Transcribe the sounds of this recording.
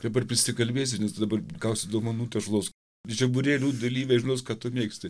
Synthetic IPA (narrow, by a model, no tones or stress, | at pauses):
d̪ɐbɐrpʲɾʲɪsʲɪkɐlʲbʲeːs̬ʲɪnʲɛsd̪ɐbɐrɡɐʊsʲɪd̪oːmɐnuːt̪ʲɐʃlˠoːs | ʒʲɛbʊɾʲeːlʲuːd̪ɐlʲiːʋʲɛʒʲɪnoːs̬kɑt̪ʊmʲeːksʲt̪ʲɪ